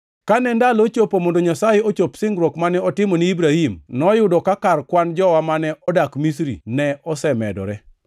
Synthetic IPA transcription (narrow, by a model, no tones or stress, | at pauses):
kanɛndalot͡ʃopomondoɲasajeot͡ʃopsɪŋɡɾokmanɛɔtɪmɔniibɾahimnɔjʊdɔkakarkwand͡ʒɔwamanɛɔdakmis̬ɾḭnɛɔsɛmɛ̰dɔ̰ɾɛ